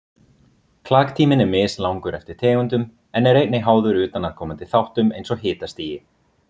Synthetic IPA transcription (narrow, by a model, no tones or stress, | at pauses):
kʰlaːkt̪ʰiːmɪnɛɾmɪːslawŋkʏɾʔɛft̪ɪɾ̥t̪ʰɛːɣʏnt̪ʏm | ɛnɛɾejt̪nɪɦaːwðʏɾʏːt̪anað̥kʰɔːmant̪ɪ̥θawht̪ʏmejnsɔɣɦɪːt̪ast̪iːjɪ